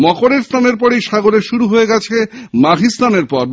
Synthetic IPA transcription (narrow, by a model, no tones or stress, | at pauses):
mɔkoɾeɾst̪ʰaneɾpɔɾejʃaɡoleʃuɾuɦoeɡɛt͡ɕʰemaɡʱist̪ʰaneɾpɔɾb